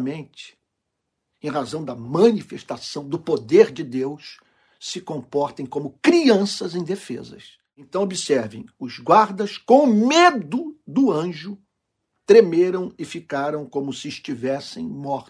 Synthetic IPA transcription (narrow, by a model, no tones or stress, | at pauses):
mẽnt͡ʃɪ̥ | ẽj̃ɦazɐ̃w̃d̪ɐmɐ̃nifeʃt̪asɐ̃w̃d̪ʊpod̪eɾd͡ʒɪd̪ews | sɪkõmpɔɾt̪ẽj̃kõmʊkɾiɐ̃sɐzẽj̃d̪efḛzɐ̰s | ẽnt̪ɐ̃w̃obisɛɾvḛ̃j̃ʊzɡwaɾd̪ɐskõw̃ʊmed̪ʊd̪ʊɐ̃ʒʊ | t̪ɾemeɾɐ̃w̃ɪfikaɾɐ̃w̃kõmʊsɪːʃt͡ʃivɛsḛ̃j̃mɔɾ